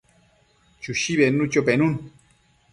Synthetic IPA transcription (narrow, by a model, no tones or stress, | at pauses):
t͡ʃuʃiβenut͡ʃopenun